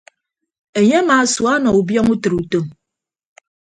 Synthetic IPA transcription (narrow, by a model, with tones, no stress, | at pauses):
e˨ɲe˦maː˨swa˦nɔ˨u˨bjɔ˦ŋu˦tɨ˨ɾu˨to˦˨m